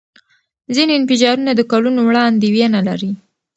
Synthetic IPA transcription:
zineɪnfɪd͡ʒɑɾunad̪əkalunowɽɑnd̪ewjenalaɾi

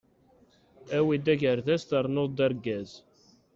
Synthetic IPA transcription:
æwid̪æʝəɾθæst̪əɾˤnoðˤd̪æɾɡæz

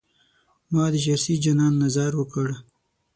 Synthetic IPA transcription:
mɑd̪əʃaɾsid͡ʒanɑnːazɑɾwəkəɽ

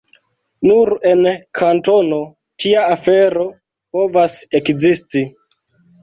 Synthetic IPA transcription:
nuɾe̞nkʰanto̞no̞ | tʰiaːfeɾo̞ | po̞vasekzisti

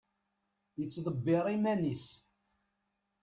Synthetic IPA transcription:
jət͡sːðˤəbːeɾˤimænis

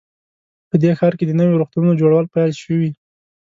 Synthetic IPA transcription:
pəd̪exɑɾked̪ənəwjoɾuxt̪ununod͡ʒoɽawəlpajlʃəwi

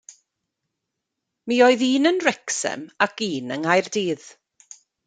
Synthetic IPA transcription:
miːoɨðiːnənrɛksɛ̰makiːnəŋajrdiːð̥

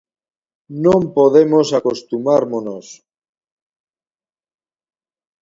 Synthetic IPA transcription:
nõmpoðemosakost̪umaɾmonos

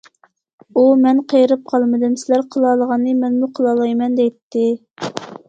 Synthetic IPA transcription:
umɛnqʰəjɾɨp̚qʰɑlˠmɨd̪ɨmsɪlæɾqʰəlˠɑːlˠəʁɑnːɨmɛnmuqʰəlˠɑːlˠɑjmɛnd̪ɛjt̪ʰːɪ

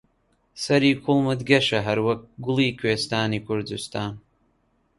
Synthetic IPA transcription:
sɐɾikʷʰʊlmɨdɡʲɐʃaɦaɾwak̚ɡʷʊliːkʷʰeːstʰaːnikʷʰʊrdɨstʰaːn

